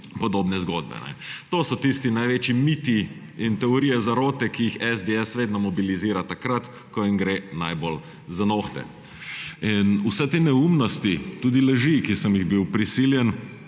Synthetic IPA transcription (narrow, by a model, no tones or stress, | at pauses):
pɔd̪oːbnɛzɡod̪̚bɛ̰nɛ̰t̪oːsɔt̪ist̪inajʋeːt͡ʃimit̪i | int̪ɛɔɾiːjɛzaɾoːt̪ɛkijixɛzd̪eɛsʋeːd̪nɔmɔbiliziːɾat̪akɾat̪ | kɔiŋɡɾenajbol | zanoxt̪ɛ̰ | inusɛt̪eːnɛumnɔst̪it̪uːd̪ilɛʒikisəmjiɣbiwpɾisiːljɛn